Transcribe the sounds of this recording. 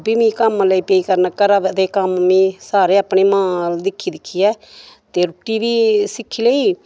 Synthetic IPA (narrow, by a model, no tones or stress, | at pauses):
biːmĩːkəmləiːpeːiːkəɾnakəɾad̪eːkəmːĩːsaːɾeːəːpɳeːmãːld̪ɪkʰːiːd̪ɪkʰːiːɛː | t̪eːɾʊʈːiːʋiːsɪkʰːiːləiː